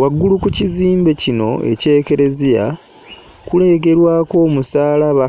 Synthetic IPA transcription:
waɡːulukuciziːmbe̞cino̞̰e̞̰ce̞ːke̞ɾe̞zija̰ | kule̞ːk̬e̞ɾwaːko̞ːmusaːlaβa

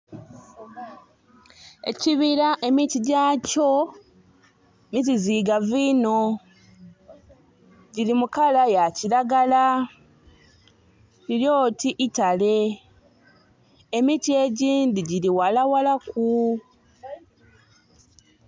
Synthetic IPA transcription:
e̞̰ciβiɾaʔe̞mitiɟaːco̞ | mit̬iziːɡaviːno̞ | ɟilimukalajaciɾaɡala | iljo̞ːtiʔitale̞ | mitie̞ɟiːndiɟiliwalawalaku

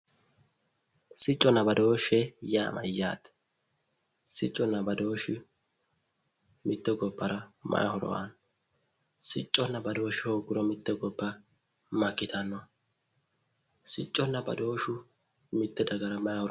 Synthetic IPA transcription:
sɪt͡ʃʼːɔnːɐbɐd̪oːʃːɛjaːmʔɐ̰ja̰ːt̪ | sɪt͡ʃʼːɔnːɐbɐd̪o̞ːʃɪ | mɪt̪ːɛɡɔbːɐɾɐmɐ̰ʔɐhɔɾɔ̰ʔɐ̰n | sɪt͡ʃʼːɔnːɐbɐd̪o̞ːʃɪhoːɡʊɾɔmɪt̪ːɛɡɔbːɐ | mɐkːɪt̪ɐnːɔ | sɪt͡ʃʼːɔnːɐbɐ̰d̪o̞ːʃʊ | mɪt̪ːɛd̪ɐɡɐɾɐmɐjhɔɾ

